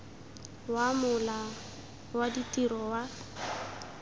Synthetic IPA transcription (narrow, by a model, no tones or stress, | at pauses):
wamʊla | waditʼiɾɔwa